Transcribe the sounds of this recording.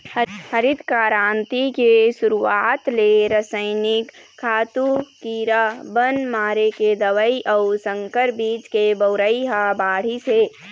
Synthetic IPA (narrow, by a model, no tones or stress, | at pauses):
həɾid̪kaːɾaːnt̪ikesuɾuaːt̪leɾəsəɪnɪkʰːaːt̪ukiːɾabənmaːɾeked̪əʋəiʔəʊsə̃ŋkəɾbiːd͡ʒkebəʊɾəiɦabaːɽ̤ise